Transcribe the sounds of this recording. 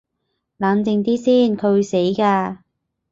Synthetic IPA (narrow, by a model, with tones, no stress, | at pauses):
laː˨˧˥nt͡sɪ˨˧ŋt̪iː˥siː˥˩nkʰɵ˨˧ɥwu˨˧jse˨˥jkaː˧